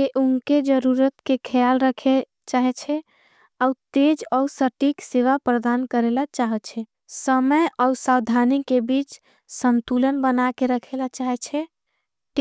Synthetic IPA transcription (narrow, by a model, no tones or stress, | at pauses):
keʔuŋked͡ʒəɾuɾət̪kekʰəjalɾəkʰe | t͡ʃaɦɛt͡ʃʰɛ | aut̪ed͡ʒəusəʈikseʋapɾəd̪ankəɾelat͡ʃaɦət͡ʃʰɛ | səməjəusawd̪ʱanikebit͡ʃ | sənt̪ulənbənakeɾəkʰelat͡ʃaɦɛt͡ʃʰɛ | ʈ